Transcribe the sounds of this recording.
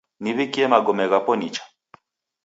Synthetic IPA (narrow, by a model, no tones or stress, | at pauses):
niβikiɛmaɡɔmɛɣapɔnit͡ʃḁ